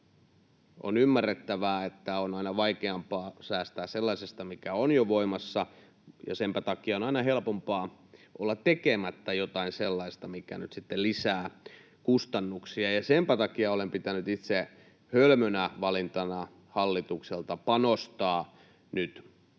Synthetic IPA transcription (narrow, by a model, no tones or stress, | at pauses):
ʔo̰nymːærːet̪ːæʋæːet̪ːæonɑinɑʋɑikeɑmpɑːsæːst̪æːsselːɑisest̪ɑmikæonjoʋoimɑsːɑ | jɑ̰sempæt̪ɑkiɑonɑinɑhelpompɑːʔolːɑt̪ekemæt̪ːæjot̪ɑinselːɑist̪ɑmikæ̰nyt̪sit̪ːellisæː | kust̪ɑnːuksiɑjɑsempæt̪ɑkiɑolempit̪ænyt̪it̪se | hølmønæʋɑlint̪ɑnɑ | hɑlːit̪ukselt̪ɑpɑnost̪ɑː | nyt̪